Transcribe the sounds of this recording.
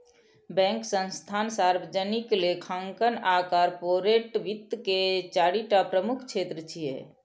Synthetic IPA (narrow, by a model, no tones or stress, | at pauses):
bɛ̃ŋksə̃nst̪ʰansaɾbəd͡ʒəniklekʰãŋkənakaɾpoɾeʈʋit̪ːket͡ʃaɽiʈapɾəmukʰt͡ʃʰet̪ɾət͡ʃʰijḛ